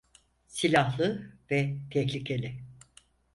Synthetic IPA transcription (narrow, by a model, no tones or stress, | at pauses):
silʲaɦlˠɯvɛt̪ʰɛçlʲicʰe̞lʲɪ